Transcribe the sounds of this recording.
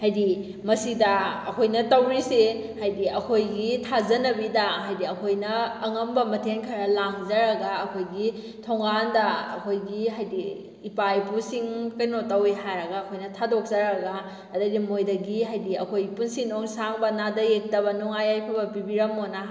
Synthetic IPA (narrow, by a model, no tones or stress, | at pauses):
hajdi | mɐsidɐɐkʰojnɐtɐwɾise | hajdiɐkʰojɡitʰazɐnɐbidɐɦajdiɐkʰojnɐːŋɐmbɐmɐtʰenkʰɐɾɐlaŋzɐɾɐɡaɐkʰojɡi | tʰoŋɡandɐɐ̰kʰojɡiɦajdiː | pajpusiŋkɐjnotɐwiɦajɾɐɡaɐkʰojnɐtʰadok̚zɐɾɐɡa | ɐdɐdimojdɐɡiɦajdiɐkʰojipunsinoŋsaŋbɐnadɐjek̚tɐβɐnɔŋajajpʰabɐpibiɾɐmona